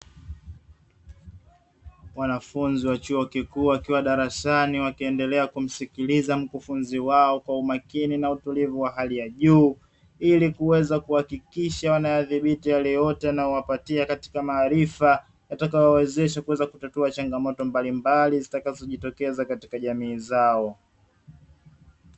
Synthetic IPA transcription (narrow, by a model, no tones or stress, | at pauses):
wanafunziwat͡ʃuɔkikuːwakiwaɗaɾaʃaniwakiɛndɛlɛakum̩sikilizam̩kufunziwaɔkwaumakininautulivuwaɦalijaʄuː | ilikuwɛzakuhakikiʃawanajaðiɓitijalɛjɔtɛanajɔwapatiakati̥kamaːɾifa | jatakajɔwɛzɛʃakuwɛzakutatuat͡ʃaŋɡamɔtɔmbalimbalizitakazɔʄitɔkɛzakati̥kaʄamiːzaɔ